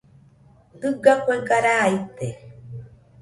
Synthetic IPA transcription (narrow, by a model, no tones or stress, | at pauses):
d̪ɨɡakʷekaɾait̪ːe